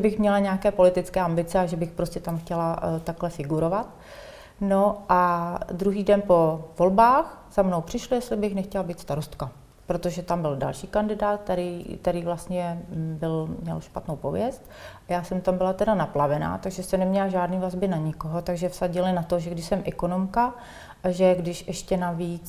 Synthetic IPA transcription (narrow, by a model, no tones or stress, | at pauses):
ʒɛbɪxmɲɛlaɲɛakɛːpo̞lɪt̪ɪt͡skɛːambɪt͡sɛaʒɛbɪxpɾo̞scɛt̪amxcɛlat̪aklɛfɪɡuɾo̞vat̪ | noʔad̪ɾuɦiːdɛnpo̞vo̞lbaːxz̥amno̞wpr̝̥ɪʃlɪjɛst̪lɪbɪxnɛxcɛlabiːt̪st̪aɾost̪ka | pɾot̪o̞ʒɛt̪ambɪlda̰lʃiːkandɪdaːt̪̚t̪ɛɾikt̪ɛɾiːvlast̪ɲɛbɪlmɲɛ̰lʃpat̪nowpovjɛst̪ | ʔajaːsɛmt̪ambɪlat̪ɛdanaplavɛna̰ːt̪aɡʒɛst̪ɛnɛmɲɛlaʒaːdniːvazbɪnaɲɪkoɦo̞t̪aɡʒɛfsaɟɪlɪnat̪oʒɛɡdɪʃsɛmʔɛkono̞mka | ʔaʒɛɡdɪʃʔɛʃcɛnaviːt͡s